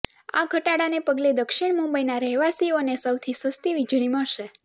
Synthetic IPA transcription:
a̰ɡʱəʈaɽanepəɡled̪əkʃɪɳ̃mũmbəinaɾəɦʋasionesəwt̪ʰisʋəst̪iʋid͡ʒɭ̃iməɭʃe

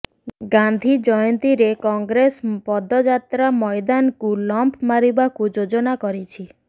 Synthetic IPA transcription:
ɡand̪ʱid͡ʒɔjɔnt̪iɾekɔŋɡɾespɔd̪ɔd͡ʒat̪ɾamɔjd̪ankulɔmpʰmaɾibakud͡ʒod͡ʒɔnakɔɾit͡ʃʰi

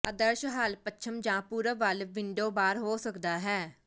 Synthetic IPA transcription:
əd̪əɾʃɦaːlpətːt͡ʃʰəmd͡ʒãːpuːɾəʋəlʋɪɳɖoːbaːɾɦoːsəkd̪aːɦɛː

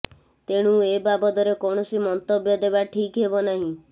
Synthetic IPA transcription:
t̪eɽ̃ũebabɔd̪ɔɾekoɽ̃ɔsimɔnt̪ɔbjɔd̪ebaʈʰikɦebɔnaɦĩ

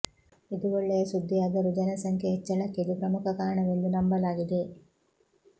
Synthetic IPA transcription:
id̪uʋoɭːeɐsud̪ːiɐd̪ɐɾud͡ʒɐnɐsɐŋkʰjeet͡ʃːɐɭɐkːid̪upɾɐmukɐkaːɾɐɳɐʋend̪unɐmbɐlaːɡid̪e

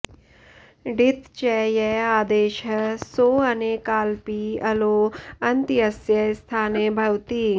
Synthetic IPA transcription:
ɖit̪t͡ʃɛːjɛaːd̪eːʃɐsoːɐneːkaːlpiːɐloːɐnt̪iɐsjɐst̪ʰaːnebʱɐʋt̪iː

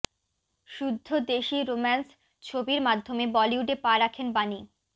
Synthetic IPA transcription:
ʃud̪ʱːod̪eʃiɾomans | t͡ɕʰobiɾmad̪ʱːomebɔliuɖepaɾakʰenbani

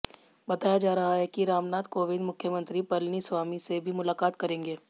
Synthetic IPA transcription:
bɐt̪aːjad͡ʒaːɾɐɦaɦɛkiɾaːmnaːt̪koːʋɪd̪mʊkʰjəmə̃nt̪ɾipɐlniswaːmisebʱimʊlaːkaːt̪kɐɾẽːŋɡeː

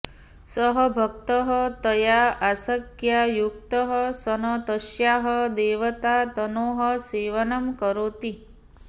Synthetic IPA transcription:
sɔɦɐbʱɐk̚t̪əɦɐt̪ɐjaːasɐkjajuk̚t̪ɐɦɐsɐnot̪ɐʃjaːɦɐd̪eːʋɐt̪aːt̪ɐnoːɦɐseːʋɐnɐmkɐɾoːt̪i

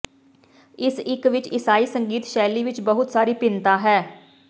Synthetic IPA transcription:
ɪsɪkʋɪt͡ʃɪsaːiːsəŋɡiːt̪ʃɛːliːʋɪt͡ʃbəɦʊt̪saːɾiːpɪnt̪aːɦɛː

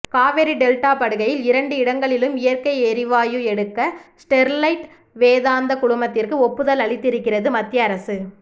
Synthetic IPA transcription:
kaːʋɛɾiɖɛlʈaːpɐɽɯɣɐjɪlɪɾɐɳɖɯɪɽɐŋɡɐɭɪlɯmɪjɐɾkɐɪɛɾɪʋaːjɯɛɽɯkːɐsʈɛɾlɐɪʈ | ʋeːðaːnd̪ɐkʊɽʊmɐt̪ːɪrkɯɔpːɯðɐlɐɭɪt̪ːɪɾɯkːɪrɐðɯmɐt̪ːɪjɐːɾɐsɯ

